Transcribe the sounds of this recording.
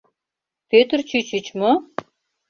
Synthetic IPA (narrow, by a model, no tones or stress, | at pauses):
pøt̪ərt͡ɕyt͡ɕyt͡ɕmo